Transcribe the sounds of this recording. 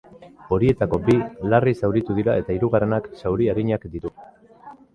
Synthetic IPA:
o̞ɾie̞t̪ako̞bilarisawɾit̪uðiɾae̞t̪aiɾuɣare̞naksawɾiaɾiɲakd̪iɾu

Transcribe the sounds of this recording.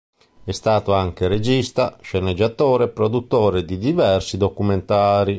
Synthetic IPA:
ɛst̪aːt̪oaŋk̟eɾed͡ʒist̪aʃened͡ʒːat̪oːɾeɛpɾod̪ut̪ːoːɾed̪id̪ivɛrsid̪okument̪aːɾi

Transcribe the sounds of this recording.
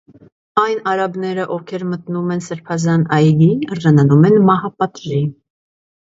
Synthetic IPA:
ɑjnɑɾɑbnɛɾəʔɔvkʰɛɾmət̪numɛnsəɾpʰɑzɑnɑjɡiərʒɑnɑnumɛnmɑhɑpɑt̪ʒi

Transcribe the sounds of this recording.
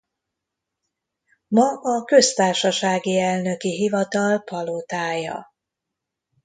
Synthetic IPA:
mɒʔɒkø̞st̪aːrʃɒʃaːɡiɛlnø̞kiɦivɒt̪ɒlpɒlot̪aːjɒ̰

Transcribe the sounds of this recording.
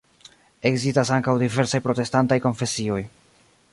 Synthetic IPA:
e̞ɡzistasaŋkawdive̞ɾsajpɾo̞te̞stantajko̞nfe̞sio̞j

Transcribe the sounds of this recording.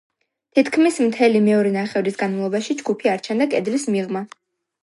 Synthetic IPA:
t̪ʰit̪ʰkʰmismt̪ʰɛlimɛɔɾɛnaχɛvɾisɡanmalˠɔbaʃid͡ʒɡupʰiaɾt͡ʃʰɛnd̪akʼɛd̪lismiʁma

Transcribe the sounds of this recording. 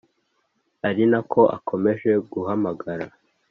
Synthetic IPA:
aɾinakʰo̞ʔa̰kʰo̞me̞ʒe̞ɡuɦamaɡaɾa

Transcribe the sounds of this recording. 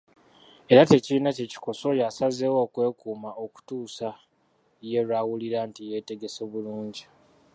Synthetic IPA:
e̞ɾate̞ciɾinace̞ci̥ko̞so̞jasazewo̞ːkwe̞ːkuːmao̞ku̥tuːsa | je̞ɾwawuliɾaːntije̞te̞ɡe̞so̞ːβuluːɲɟi

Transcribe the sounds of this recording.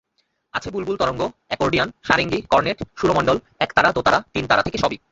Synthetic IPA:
at͡ɕʰebulbult̪ɔɾoŋɡoɛkoɾɖianʃaɾeŋɡikɔɾneʈʃuɾomɔɳɖol | ɛkt̪aɾad̪ot̪aɾat̪int̪aɾat̪ʰekeʃɔbi

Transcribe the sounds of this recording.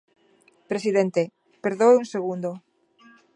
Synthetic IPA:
pɾesiðent̪e | peɾðoweuŋseɣund̪o

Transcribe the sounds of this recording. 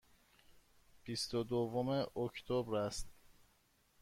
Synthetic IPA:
b̥ist̪od̪ovomeʔokʰt̪ʰobɾæst̪

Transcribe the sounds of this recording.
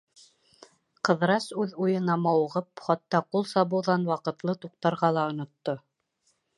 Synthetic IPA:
qɤ̆ðɾɑsʉðujɤ̆nɑmɑw̆ʁɤpχɑt̪ːɑqulˠsɑβɤ̆wðɑnwɑqɤ̆t̪lˠɤt̪uq̚t̪ɑɾʁɑlˠɑŏnŏt̪ːo

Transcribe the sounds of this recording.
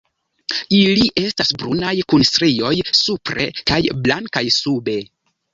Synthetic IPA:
iliʔe̞stasbɾunajkunstɾio̞jsupɾe̞̰kajblaŋkajsube̞

